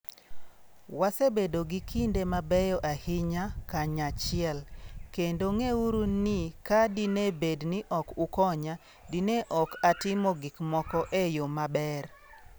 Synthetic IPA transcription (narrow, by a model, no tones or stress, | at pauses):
wasebedoɡikʰindemabɛjɔʔahɪɲakaɲat͡ʃɪɛlkendoŋeuɾunɪkadinebednɪʔɔkukɔɲa | dineʔɔkatɪmɔɡɪkmɔkɔʔejomabɛr